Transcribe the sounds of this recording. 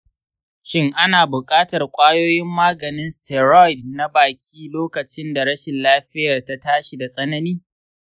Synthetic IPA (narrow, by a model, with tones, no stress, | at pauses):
ʃɪ˦ŋʔa˦naː˨bʊ˨kʼaː˦tɐ˨rkʷʼaː˦joː˦jɪ˦mːaː˦ɡɐ˨nɪ˦nstɛ˨ɾɔ˦jdna˦baː˨kʲʰiː˦loː˦kɐ˨t͡ʃɪ˦nda˨ɾɐ˦ʃɪ˨nlaː˦ɸɪ˦jɐ˨rta˦taː˦ʃi˨da˨sʼɐ˦nɐ˦niː˦